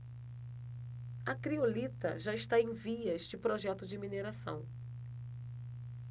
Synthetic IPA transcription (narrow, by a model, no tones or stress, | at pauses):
ɐkɾiolit̪ɐ̰ʒaɪʃt̪aẽj̃viɐeʃt͡ʃɪpɾoʒɛt̪ʊd͡ʒɪmineɾasɐ̰̃w̃